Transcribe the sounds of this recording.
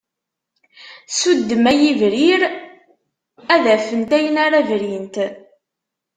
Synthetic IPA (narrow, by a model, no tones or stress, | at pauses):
sud̪ːəmæjivɾiɾ | æðæfənt̪æjənaɾævɾint̪